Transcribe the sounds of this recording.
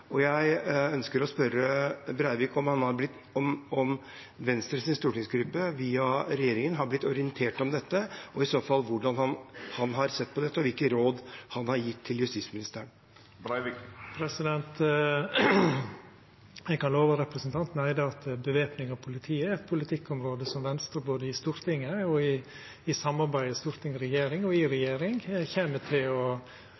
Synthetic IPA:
ʔɔjæɪœnskəɾɔspœɾəbɾæɪʋɪkɔmhɑnhɑɾblɪt̪ː | ɔmɔm | ʋɛnst̪ɾəsɪnst̪uːʈɪŋsɡɾʏpːəʋiːɑɾɛjeːɾɪŋənɦɑɾblɪt̪ːɔɾɪənt̪ʰeːʈɔmd̪ɛt̪ːəʔɔɪsoːfɑlːʋʊɖɑnhɑnhɑnɦɑɾsɛt̪ːpʰɔd̪ɛt̪ːəɔʋɪlkənɾoːd̪hɑnhɑɾjɪt̪ʰːɪljʉst̪ɪsmɪnɪst̪əəɳ | pʰɾɛsɪd̪ɛnt̪ | ɛɡkɑnloːʋəɾɛpɾəsn̩t̪ʰɑnt̪n̩æɪd̪əɑt̪bəʋeːpnɪŋɑʋpʰʊlɪt̪ʰiːəɾɛt̪̚pʰʊlɪt̪ʰɪkːɔmɾoːd̪əsɔmʋɛnst̪ɾəɾboːd̪əɪst̪uːɾt̪ʰɪŋːəɔɪ | ɪsɑmːɑɾbæɪəst̪uːɾt̪ʰɪŋəɾɛjeːɾɪŋɔɪɾɛjeːɾɪŋçeːməʈʰɪlɔ

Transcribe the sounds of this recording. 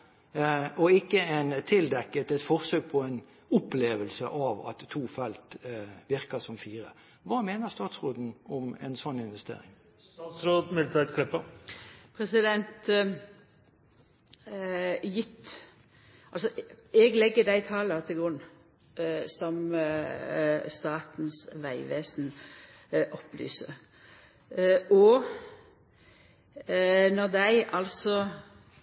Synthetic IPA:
ɔɪkːəɛɪnt̪ʰɪld̪ɛkːət̪ɛt̪fɔɾsøːɡ̚pʰɔɛn | ʊpleːʋəlsə̰ʔɑʋɑ̰t̪ʰːuːfɛlt̪ʋɪɾkəsɔmfiːɾə̰ | ʋɑːmeːnəʁst̪ɑːt̪sʁoːd̪n̩ɔmɛ̰nsɔnːɪnʋɛst̪ḛːɾɪ̰ŋ | ɑt̪sɾoːd̪mɪlt̪ʰæt̪kʰlɪpːəpʰɾɛsɪd̪ɛnt̪ | jɪt̪ː | ɑlsɔɛɡlɛɡːəd̪æɪt̪ʰɑːlɑt̪ʰɪlɡʁʉnː | sɔm | st̪ɑːt̪nsʋæɪʋeːsn̩ | ʔɔpːly̰ːsə | ʔɔ | nɔʁd̪æɪʔɑlsɔ

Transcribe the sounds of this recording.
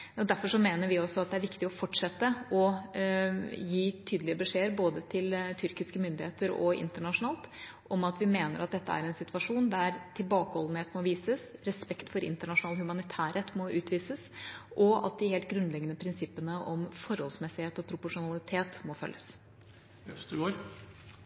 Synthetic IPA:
ɔd̪æɾfɔʂɔmeːnəɾʋɪɔsɔɑt̪̚d̪ɛæɾʋɪkt̪ɪɔfɔʈʂɛt̪ːəɔ | jiːt̪ʰyːd̪əlɪəbəʂeːəɾboːd̪ət̪ʰɪlt̪ʰʏɾkɪskəmʏnd̪ɪheːt̪əɾɔ̰ɪ̰nt̪əɳɑʂʊnɑːlˠt̪ʔɔmɑt̪ʋɪmeːnəɾɑt̪̚d̪ɛt̪ːəæ̰ɾɛnsɪt̪ʋɑʂuːnd̪æɾt̪ʰɪlbɑːkəhɔln̩heːt̪mɔʋiːsəsɾɛspɛkt̪fɔɾɪ̰nt̪əɳɑʂʊnɑːlhʉmɑnɪt̪ʰæːɾeːt̪mɔʉːt̪ʋiːsəsʔɔɑ̰t̪̚d̪ɪheːlt̪̚ɡɾʉnlɛɡənəpʰɾɪnsɪpːənəʔɔmfɔɾhɔlsmɛsɪheːt̪ɔpʰɾʊpʊʂʊnɑlɪt̪ʰeːt̪mɔfœ̰lːəs | d̪ʉɡoːɾ

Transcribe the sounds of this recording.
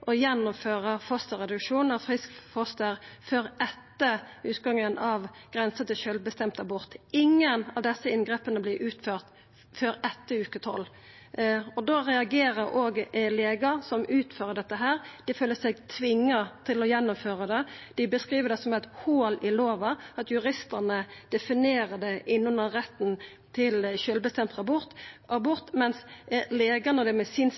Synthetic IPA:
ʔɔjɛnːʊmføːʁəfɔst̪əʁɛd̪ʉkʂuːnɑfʁɪskfɔst̪əɾføɾɛt̪ːəʉːt̪ɡɑŋːənɑʋɡ̥ʁɛnsət̪ɪʃœlbəst̪ɛmt̪ɑbʊʁt̪ɪŋːənɑʋd̪ɛsːəɪnɡʁeːpənəblɪʔʉːt̪føːʁt̪ | føːɾɛt̪ːəʉːkət̪ʰɔ̰lː | ɔd̪oʁɛɑɡeːʁəɾʔoːɡleːɡɑsɔmʉːt̪føːʁəɖɛt̪ːəɦæːʁd̪̥ɪføːləsɛɡt̪ʰʋɪŋːət̪ʰɪlɔjɛnːʊmføːʁəd̪ɛd̪̥ɪbəskʁiːʋəd̪ɛsɔmæt̪hoːlɪloːʋɑɑt̪jʉɾɪst̪əʁnəd̪̥ɛfɪneːɾəd̪ɛʔɪnːʊnəʁɛt̪ːn | t̪ʰɪlʃʏlbəst̪ɛmt̪ʁɑbʊt̪ʔɑbʊʁt̪mɛnsleːɡənəd̪ɛmɛsiːn

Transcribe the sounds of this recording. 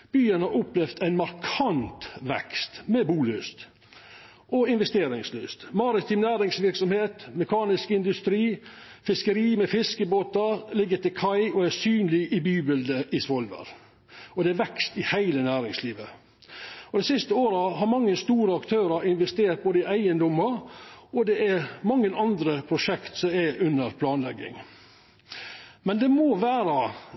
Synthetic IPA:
b̥yːənhɑɾʊplɛʋd̪æɪnmɑɾkʰɑnt̪ʋɛ̰kst̪mɛbuːløːst̪ | ʔɔɪnʋɛst̪eːɾɪŋsløːst̪mɑɾɪt̪ɪmnæːɾɪŋsʋɪɾksɔmheːt̪mɛkʰɑːnɪskɪnd̪ʉst̪ɾiːfɪskəɾiːmɛfɪskəboːt̪ɑɾlɪɡːət̪ɪkʰɑɪɔæsyːnlɪʔɪbyːbɪld̪əʔɪsʋɔlʋə̰ɾ | ɔd̪ɛæɾʋɛkst̪ɪhæɪlənæːɾɪŋsliːʋə | ɔd̪ɛɪsɪst̪əoːɾəɦɑɾmɑŋːəst̪uːɾəɑkt̪ʰøːɾɑɾɪnʋɛst̪eːɾt̪̚boːd̪əɪʔæɪənd̪ɔmɑɔd̪ɛʔæɾmɑŋːənɑnd̪ɾəpʰɾʊʃɛkt̪sɔmæʉnːəɾpʰlɑːnlɛɡɪ̰ŋ | mɛnd̪ɛmoːʋæːɾɑ

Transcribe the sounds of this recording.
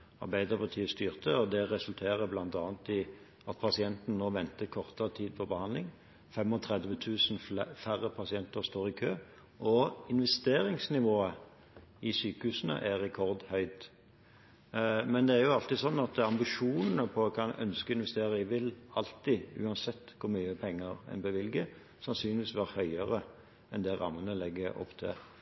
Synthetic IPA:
ɑ̰ʁbæɪd̪ʁəbət̪ʰiːst̪yːʁt̪ʰəɔd̪ɛʁɛsʉlt̪ʰeːʁəblɑnt̪ɑːənt̪ɪ | ɑt̪̚pʰɑsɪɛnt̪n̩noːʋɛnt̪əkʰɔʁt̪əət̪ʰiːd̪̚pʰɔbəhɑnd̪lɪŋ | fɛmɔt̪ʰʁɛd̪ʋət̪ʰʉːsnfæʁəpʰɑsɪɛnt̪əɾst̪oːʁɪkʰøː | ʔɔɪnʋɛst̪eːɾɪŋsnɪʋoːə | ɪsyːkəhʉːsənə̰ʔæʁɛkʰɔʁd̪hœʏd̪ | mɛnd̪ɛæɾjʊɑlt̪ɪsɔnːɑt̪ɑmbɪʂuːnənəpʰɔɔkʰɑnœ̰nskəɪnʋɛst̪eːɾəɪʋɪlɑlt̪ɪʉ̰ːɑnsɛt̪ːkʰʊmyːəpʰɛŋːəɾɛ̰nbəʋɪlɡə | sɑnsyːnlɪʋiːsʋæːʁhœʏəʁə | ɛnd̪ɛʁɑ̰mːənəlɛɡːəɔ̰pːt̪ʰɪ̰

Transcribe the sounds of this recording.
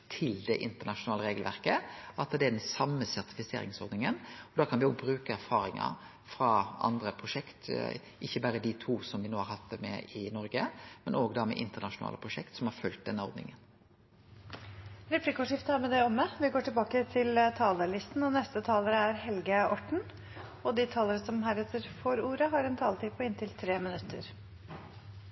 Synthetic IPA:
t̪ʰɪld̪ɛʔɪnt̪əɳɑʂʊnɑːləɾeːɡəlʋæʁkəɑt̪d̪ɛæɖ̪ɛnsɑmːəsæʁt̪ɪ̥fɪsḛːɾɪ̰ŋsɔɾd̪nɪŋənɔd̪ɑːkʰɑnʋɪoːɡ̚bɾʉːkəæɾfɑːɾɪŋɑ̰ | fɾɑɑ̰nd̪ɾəpʰɾʊʂɛkt̪ | ʔɪçːəbæːɾəd̪ɪt̪ʰuːsɔmʋɪnoːhɑɾhɑt̪ːmɛ̰ɪnɔɾɡəmɛnʔoːɡd̪ɑmɛ̰ʔɪnt̪ənɑʂʊnɑ̰ːləpʰʁʊʂɛkt̪sɔmhɑɾfœlt̪̚d̪ɛnːəɔ̰ɾd̪nɪ̰ŋən | ɾɛpliːkʊʂɪft̪əhæmɛd̪ɛɔmːəʋɪɡoːʈɪlbɑːkət̪ʰɪlt̪ʰɑːləlɪst̪n̩ɔnɛst̪ət̪ʰɑːləɾəæɾhɛlɡəɔʈɳ̩ | ɔd̪ɪt̪ʰɑːləɾəsɔmɦæːɾɛt̪əɾfɔɾuːɾəɦɑɾɛnt̪ʰɑːlət̪ɪpʰɔɪnt̪ʰɪlt̪ʰɾeːmɪnʉt̪ʰːə̰ɾ

